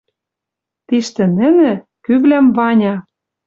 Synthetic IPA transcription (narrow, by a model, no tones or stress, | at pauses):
t̪iʃt̪ɘ̆nɘ̆nɘ̆ | kyβlæmvɑnʲɑ